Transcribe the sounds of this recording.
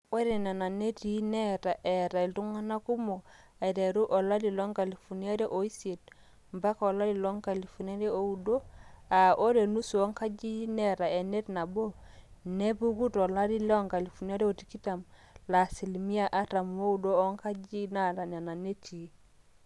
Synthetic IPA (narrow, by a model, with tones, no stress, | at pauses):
we˦ɾe˨n˨a˨na˨ne˦ti˨˦nɛ˦ta˨ʔɛ˨ɾa˨e˨ltu˦ŋa˦na˦ku˦mo˨ | a˨i˨ɾe˨ɾu˦ʔɔ˨la˦di˨lɔ˦ŋka˨li˨fu˨ni˦a˦ɾe˦ʔo˨i˦se˨t̚ | mba˦kɔ˨la˦li˨lɔ˦ŋka˨li˨fu˨n˦a˦ɾe˦o˨u˨do˦a˨ʔo˦ɾe˨nu˦su˨ɔ˦ŋka˦d͡ʒi˦nɛ˦˨ɾa˨e˨ne˦tna˨bo˦ne˦bu˦ɡu˦tɔ˨la˦di˦lɔ˦ŋka˨li˨fu˨ni˦a˦ɾe˦o˨ti˨ki˦ta˨m | la˨si˨lmi˦a˦ʔa˦ta˨m˦o˦u˨doː˦ŋka˦d͡ʒi˦na˦ɾa˨n˨a˨na˨ne˦ti˨˦